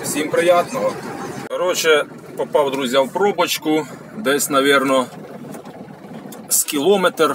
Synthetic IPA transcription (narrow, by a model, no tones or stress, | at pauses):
sʲimpɾɪjɑt̪nɔɦɔɔɾɔt͡ʃɛ | pɔpɑwd̪ɾuzʲjawpɾɔbɔt͡ʃkʊ | d̪ɛsʲnɐʋʲirnɔ | skʲilˠɔmɛt̪r